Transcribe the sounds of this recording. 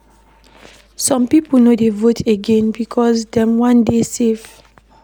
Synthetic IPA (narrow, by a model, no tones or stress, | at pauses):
sɔ̃mpipunodevotʰeɡẽnbikʰɔsdɛ̃mwãndesef